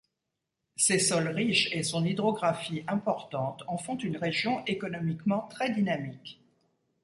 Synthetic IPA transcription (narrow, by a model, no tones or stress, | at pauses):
sesɔlʁiʃesɔ̃nid̪ʁɔɡʁafiɛ̃pɔʁt̪ɑ̃t̪ɑ̃fɔ̃t̪ynʁeʒjɔ̃ʔekɔnɔmikmɑ̃t̪χɛd̪inamik